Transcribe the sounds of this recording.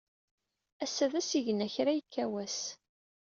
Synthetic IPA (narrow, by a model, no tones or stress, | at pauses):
æsːæðæsiʝənæçɾæjəkʰːæwæs